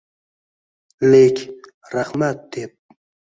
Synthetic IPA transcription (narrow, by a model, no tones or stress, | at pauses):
lekʰʲ | raχmat̪̚d̪ep̚